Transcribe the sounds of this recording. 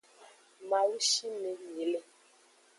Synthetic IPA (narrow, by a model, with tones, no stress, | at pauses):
ma˨wu˦ʃi˦me˨mi˨le˦